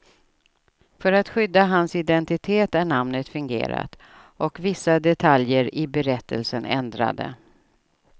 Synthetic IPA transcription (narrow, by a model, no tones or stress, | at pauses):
fœɾat̪ɧʏd̪ːaɦansɪd̪ɛnt̪ɪt̪ʰeːt̪æɳamnət̪fɵŋɡḛːɾa̰t̪ | ʔɔkvɪsːad̪ɛt̪ʰaljəɾɪbɛɾɛt̪ʰːəlsənɛ̰nd̪ɾa̰d̪ə̰